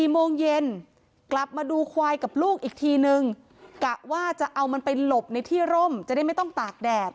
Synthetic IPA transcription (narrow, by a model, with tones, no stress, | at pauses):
iː˨˩moː˧ŋje˧n | kla˨˩p̚maː˧duː˧kʰwaː˧jka˨˩p̚luː˥˩k̚ʔiː˨˩k̚t̪ʰiː˧nɯ˧ŋ | ka˨˩ʔwaː˥˩t͡ɕa˨˩ʔa˧wma˧npa˧lo˨˩p̚na˧jt̪ʰiː˥˩ɾo˥˩mt͡ɕa˨˩da˥˩jma˥˩jt̪ɔ˥˩ŋt̪aː˨˩k̚dɛː˨˩p̚